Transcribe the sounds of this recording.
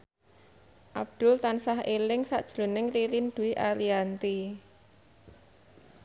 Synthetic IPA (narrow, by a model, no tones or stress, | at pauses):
ʔab̚d̪̥ʊ̤lt̪ansaɦelɪŋsa̰ʔd̥ʒ̥lo̤nɪŋriɾind̪̥uwiʔaliant̪i